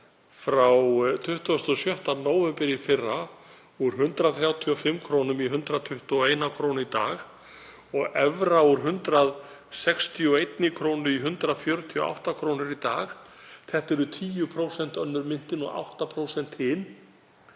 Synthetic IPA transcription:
fɾawt̪ʰʏht̪uast̪ːɔsjœht̪anoːwvɛmpɪɾifɪrːa | uɾ̥ɦʏnt̪ɾaðθɾjaːwt̪ʰiɔfɪmːkʰɾownʏmiɦʏnt̪ɾaðt̪ʰʏht̪uɔeːjnakʰɾownit̪a̰ːɣ | ɔɣɛvɾauɾ̥ɦʏnt̪ɾað | sɛkst̪ʰiɔejt̪nɪkʰɾoːwnʏiɦʏnt̪ɾaðfjœːɾʏt̪ʰiɔa̰wht̪akʰɾoːwnɪɾit̪a̰ːx | θɛht̪ɛɾʏt̪ʰiːjʏpʰɾowsɛn̥t̪œnːʏɾmɪn̥t̪ɪnɔ̰ɣa̰wht̪apʰɾowsɛn̥t̪hɪn

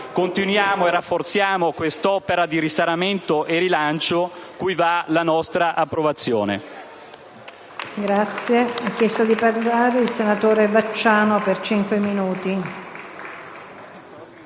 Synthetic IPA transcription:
kont̪inwjaːmoerːafːort̪sjaːmokwest̪ɔpeɾad̪iɾisaɾament̪oʔeɾilant͡ʃokujvalanɔst̪ɾaʔapːɾovat̪sːjoːnḛ | ɡɾat̪sːjeakːjɛst̪od̪iparlaːɾeilsenat̪oːɾebat͡ʃːaːnopert͡ʃiŋkweminuːt̪i

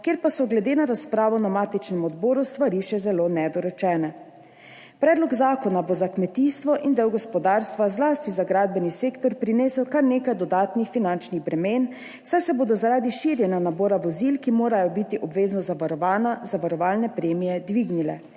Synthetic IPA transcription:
kjeːɾpasɔɡlɛd̪eːnaɾaspɾaːʋɔnamaːt̪it͡ʃnɛmɔd̪bɔːɾust̪ʋaɾiʃɛzɛloːnɛd̪ɔɾɔt͡ʃɛːnɛ | pɾɛːd̪lɔɡzaːkɔnabozakmɛt̪iːst̪ʋɔʔind̪ɛwɡɔspɔd̪aːɾst̪ʋazlaːst̪izaɡɾaːd̪̚bɛniseːkt̪ɔɾpɾineːsəwkaɾneːkajd̪ɔd̪aːt̪nixfinant͡ʃniɣbɾɛmeːn | sajsɛboːd̪ɔzaɾaːd̪iʃiːɾjɛnjanabɔːɾaʋɔzilkimoːɾajɔbit̪iʔɔbʋeːznɔzaʋaɾɔʋanazaʋaɾɔʋaːlnɛpɾeːmijɛd̪ʋiɡnilɛ̰

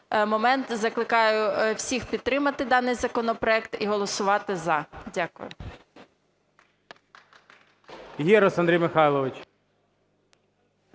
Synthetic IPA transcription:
mɔmɛnt̪zɐklˠɪkɑjʊwsʲixpʲid̪̚t̪ɾɪmɐt̪ɪd̪ɑnɪjzɐkɔnɔpɾɔɛkt̪iɦɔlˠɔsʊʋɑt̪ɪzɐdʲakʊ̰jʊ̰ | jiɾɔsɐnd̪ɾijmɪxɑjlˠɔʋɪt͡ʃ

